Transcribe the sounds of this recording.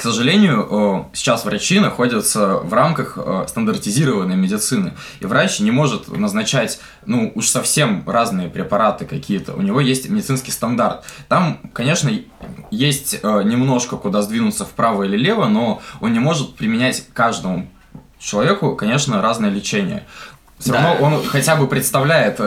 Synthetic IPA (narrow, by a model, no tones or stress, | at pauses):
ksəʐɨlʲenʲɪjʊʔəsʲɪ̥t͡ɕasvɾɐt͡ɕinɐxo̞dʲɪt̪səvramkəxə̰st̪ənd̪ərtʲɪzʲiɾəvənːəjmʲɪdʲɪt̪sɨnɨ | ḭvɾat͡ɕnʲɪmo̞ʐɨt̪nəznɐt͡ɕætʲ | nuuʂsɐfsʲemraznɨjəpɾʲɪpɐɾat̪ɨkɐkʲijət̪ə̰ʊ̰nʲɪvo̞jesʲtʲmʲɪdʲɪt̪ɨnskʲɪjst̪ɐnd̪art̪ːamkɐnʲe̞ʂnə | jesʲtʲənʲɪmno̞ʂkəkʊd̪azd̪vʲinʊt̪səfpɾavəilʲɪlʲe̞vəno̞o̞nːʲɪmo̞ʐɨt̪̚pɾʲɪmʲɪnʲætʲkaʐd̪əmʊ | t͡ɕɪlˠɐvʲe̞kʊkɐnʲe̞ʂnəɾaznəjəlʲɪt͡ɕenʲɪjə̰ | fsʲoɾɐvnoʔo̞nxɐtʲæbɨpɾʲɪt̪st̪ɐvlʲæjɪt̪